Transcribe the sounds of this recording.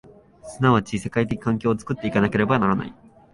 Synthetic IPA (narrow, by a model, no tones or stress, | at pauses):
sɨnaβat͡ɕise̞kait̪̬e̞kʲi̥kãŋk̬ʲo̞ːt͡sɨ̥kɯ̟t̪ːeikanake̞ɾe̞banaɾana̰i